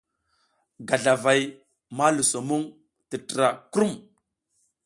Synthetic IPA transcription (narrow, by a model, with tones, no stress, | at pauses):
ɡa˨ɮa˨va˨j | ma˦lu˨so˨mu˦ŋ | ti˨tə˨ɾa˨kɾu˦m